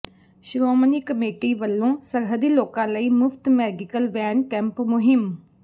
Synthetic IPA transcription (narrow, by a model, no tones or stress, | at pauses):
ʃɾoːmniːkəmeːʈiːʋəlːõːsəɾɦəd̪iːloːkãːləiːmʊft̪mɛːɡɪkəlʋɛːnkɛ̃ːmpmʊɦɪm